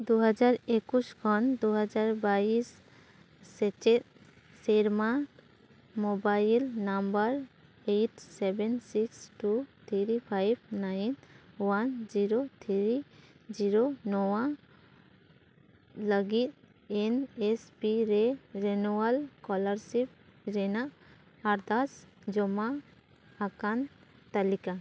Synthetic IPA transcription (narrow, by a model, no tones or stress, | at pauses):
d̪uɦad͡ʒaɾekuskʰɔnd̪uɦad͡ʒaɾbaisː | et͡ʃe | seɾma | mobailnambəɾ | eʈsebensiksʈut̪ʰiɾipʰajb̚najnwand͡ʒiɾot̪ʰiɾid͡ʒiɾonɔwã | ləɡit̪̚ | ɛnɛspiɾɛɾɛnuwalkɔlaɾsip̚ɾɛnaʔ | aɾd̪asd͡ʒɔma | akan | t̪alika